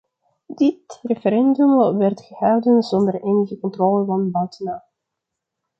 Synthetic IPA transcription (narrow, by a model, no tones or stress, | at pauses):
dɪtrefəɾɛndymʋɛrtχəhɑwdənzɔndəreːnəɣəkɔntroːləvɑnbœwtənaː